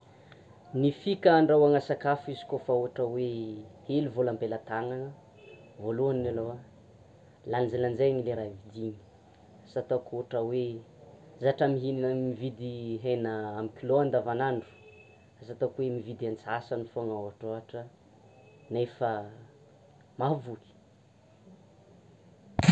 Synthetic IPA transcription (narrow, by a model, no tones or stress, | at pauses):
nifikəɳɖ͡ʐawaŋasakafizi̥kofauaʈ͡ʂəweheluvolambelat̪aŋanə | voluaninalowa | lanzelanzajaɲileɾavid̪iɲi̥ | sat̪okuɦʈ͡ʂəwe | zaʈ͡ʂamiɦininəmivid̪iɦenəamikʲiloand̪avanaɳɖ͡ʐu̥ | asat̪okwemivid̪iant͡sasanifoŋawaʈ͡ʂoɦaʈ͡ʂə | nefə | mavuki̥